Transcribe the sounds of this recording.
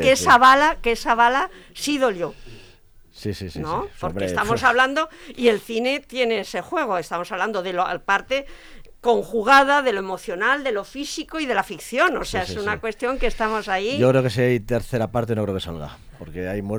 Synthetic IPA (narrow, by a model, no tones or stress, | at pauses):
kesaβalakesaβalasiðo̞ljo | sisisinopo̞ɾkest̪amo̞saβland̪o̞ie̞lθine̞t̪je̞neese̞xwe̞ɣ̞o̞e̞st̪amo̞saβland̪o̞ðelopaɾt̪e̞ | ko̞ŋxuɣ̞að̞aðe̞loe̞mo̞θjo̞nald̪e̞lo̞fisikoiðe̞lafikθjo̞no̞se̞aesunakwe̞st̪jo̞ŋkest̪amo̞saiʝokɾeokesiajt̪eɾθe̞ɾapaɾt̪enokɾeokesa̰lɣa̰poɾkeajm